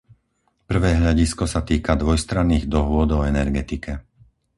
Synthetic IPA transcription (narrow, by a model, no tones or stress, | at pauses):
pr̩ʋɛːɦʎaɟiskɔsat̪iːkad̪ʋɔjst̪ɾanːiːɣd̪ɔɦʊɔd̪ɔɛnɛɾɡɛt̪ikʰɛ